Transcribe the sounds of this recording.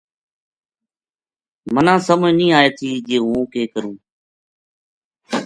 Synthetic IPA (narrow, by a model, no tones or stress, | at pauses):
mənãːsəmʊnĩːaːeːt̪ʰiːd͡ʒeːɦũːkeːkəɾũː